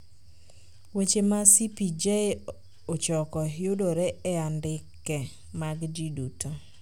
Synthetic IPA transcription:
wet͡ʃemasipid͡ʒe | ot͡ʃɔkɔjodoɾɛɛandɪkːɛ | maɡd͡ʒiduto

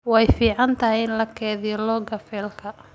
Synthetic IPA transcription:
wɛjfiːʕɑnt̪ʰɐɦɪjɪnlɐkʰɛːðijɔlɔɡɐfɛːlkʰɐ

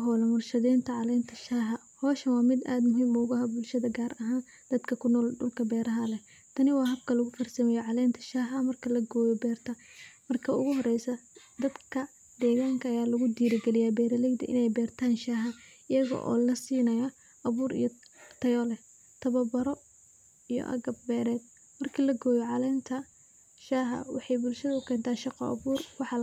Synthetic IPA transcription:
ɦɔlɐmʊrʃɐðɛːnt̪ʰɐʕɑlɛːnt̪ʰɐʃaːɦɐ | hɔːʃɐwɑːmɪd̪a̰ːd̪mʊɦiːmʊɣɐɦɐbʊlʃɐðɐɡaːɾɐɦaːn | d̪̥ɐd̪kʰɐkʰʊnɔːlɖʊ̰lkʰɐbɛːɾɐɦɐlɛ | t̪ʰɐnɪwɑːɦɐb̚kʰɐlʊɣʊfɐrsɐmɐjɛʕɑlɛːnt̪ʰɐ̥ʃaːɦɐmɐrkʰɐlɐɡɔːjɔbɛːrt̪ʰɐmɐrkʰɐʊɣʊhɔrɛjsɐ | d̪ɐd̪kʰɐ | d̪ɛːɣaːŋkʰɐːjaːlɐɣʊd̪iːɾɪɡɛlɪjaːbɛːɾɐlɛjd̪ɐ̰ʔɪ̰nɛjbɛːrt̪ʰaːnʃaːɦɐɪjɐɣɔ̰ʔɔ̰ːlɐsiːnɐjɔ | ʔɐβuːɾḭjɔt̪ʰɐjɔlɛ | t̪ʰɐβɐbɐɾɔ | ijɔ̰ʔɐ̰ɣɐb̚ːɛːɾɛːd̪̚ | mɐrkʰiːlɐɡɔːjɔʕɑlɛːnt̪ʰɐ | ʃaːɦɐ̰wɑħɑjbʊlʃɐðɐʊkʰɛːnt̪ʰaːʃɑqɔ̰ʔɐ̰βuːrwɑħɑ

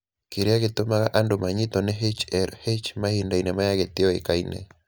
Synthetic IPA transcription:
keɾeaɣet̪omaɣaʔandomaɲɪt̪ɔnɛɦet͡ʃɛɾhet͡ʃmahindainɛmajaɣet̪ɪɔḛkainɛ̰

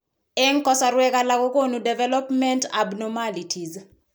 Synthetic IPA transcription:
ɛŋkɔsaɾwɛkalakɔkonudɛvɛlɔpmɛntabnɔmalitʰiz

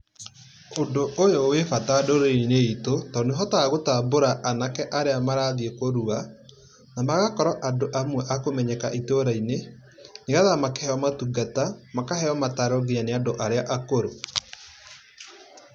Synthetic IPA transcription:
ondoʔojowefatadoɾeineitotɔːneɦɔtaːɣotaboɾaʔanakɛʔaɾeamaɾaðiekoɾua | namaɣakɔɾɔʔadoʔamwɛʔakomɛɲɛkaʔitoɾaine | neɣaðamakeɛɔmatuɡatamakaɦɛɔmataɾɔɣianeandoʔaɾeaʔakoɾo

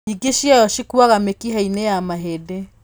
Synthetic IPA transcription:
iɡeʃjajɔʃikwaɣamekiɦainejamaɦede

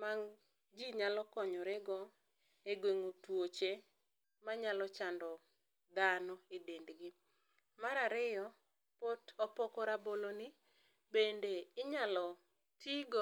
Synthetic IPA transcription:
maŋ | d͡ʒiɲalɔkɔɲɔɾeɡɔ | eɡweŋotwot͡ʃe | maɲalɔt͡ʃandɔ | d̪anɔedendɡɪ | maɾaɾɪjɔ | potɔpɔkɔɾaboloni | bendeɪɲalɔ | tiɡo

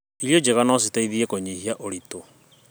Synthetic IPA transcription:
iɾjod͡ʒeɣanɔs̬itaiðiɛkoɲihiaʔoɾito

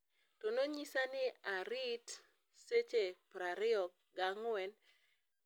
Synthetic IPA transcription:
tonoɲisanɪaɾit | set͡ʃepɾaɾɪɔk̚ | ɡaŋwɛn

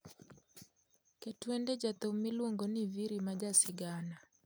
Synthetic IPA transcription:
kɛtwɛndɛd͡ʒat̪ɔmiloŋɡɔniviɾimad͡ʒasiɡana

